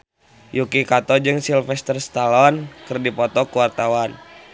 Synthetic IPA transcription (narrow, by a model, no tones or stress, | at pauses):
jukikat̪ɔd͡ʒɨŋsilfɛst̪ərst̪alɔnkɨrdipɔt̪ɔkuwart̪awan